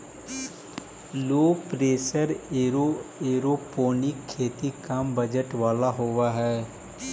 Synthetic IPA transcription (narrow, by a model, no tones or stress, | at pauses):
loːpɾeːsəɾeɾoeːɾoːpoːnɪkʰːeːt̪ikambəd͡ʒəʈʋaːlaɦoːʋaɦɛː